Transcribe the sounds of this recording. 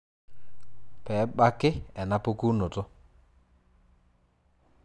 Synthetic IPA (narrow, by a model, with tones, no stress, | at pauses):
pɛ˨˦ɓa˦kɪ˦ɛ˨na˦po˦ku˦no˨tʊ˦